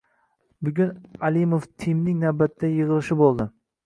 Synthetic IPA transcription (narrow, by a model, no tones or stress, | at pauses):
bʊɡʲʊnalɪmoft̪ʰimnɪŋnawbat̪ʰːajɨʁɨlˠɪʃɪbolˠd̪ɪ